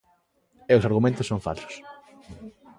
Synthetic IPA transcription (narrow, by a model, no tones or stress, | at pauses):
ɛʊsaɾɣumẽnt̪ʊsːoŋfa̰lsʊ̥s